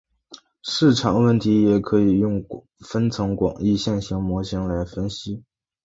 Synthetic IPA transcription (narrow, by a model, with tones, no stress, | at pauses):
ʂɻ̩˥˩ʈ͡ʂʰɑ˨˩˦ŋwə˥˩nt̪ʰi˧˥jɛ˨˩kʰɤ˧˥i˨˩jʊ˥˩ŋ | fə˥nt͡sʰɤ˧˥ŋkwɑ̰˨˩ŋi˥˧ɕjɛ˥˩nɕi˧˥ŋmwɔ˧˥t͡ɕʰi˧˥ŋla˧˥ɪfə˥nɕi˥